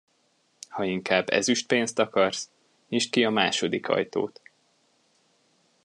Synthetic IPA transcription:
hɒiŋkaːbːɛ̰zyʃt̪̚peːnst̪ɒkɒrs | niʃkiɒmaːʃod̪ikʰɒ̰jt̪o̰ːt̪

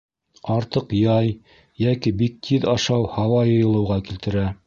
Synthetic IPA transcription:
ɑɾt̪ɤqjɑj | jækibik̚t̪ʰiðɑʃɑwhɑwɑjɤ̆jɤ̆lˠɤ̆wʁɑkilt̪ɘ̆ɾæ

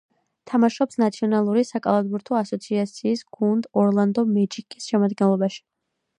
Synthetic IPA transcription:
t̪ʰamaʃɔpsnat̪sʰiɔnalˠuɾisakʼa̰lˠad̪buɾt̪ʰɔasɔt̪sʰiat̪sʰiːsɡ̥und̪ɔɾlˠand̪ɔmɛt͡ʃikʼisʃɛmad̪ɡɛnlˠɔbaʃi̥

